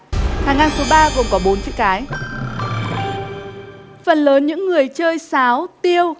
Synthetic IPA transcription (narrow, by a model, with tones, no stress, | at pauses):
haː˨˩ŋːaː˧nso˨˦ɓaː˧ko˨˩ŋ͡mkɔ˨˦ɓo˨˦nt͡ɕɨ̰˧˥əkaː˨˦j | fə˨˩nləː˨˦nɲɨ̰˧˥ŋːɨ˨˩əjt͡ɕəː˧jsaː˨˦wt̪i˧əw